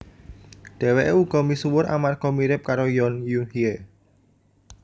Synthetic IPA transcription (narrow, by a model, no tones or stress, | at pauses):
d̪̥ɛ̤weʔeuɡ̥ɔ̤misuwʊɾa̰markomiɾɪp̚kaɾojɔnjuhie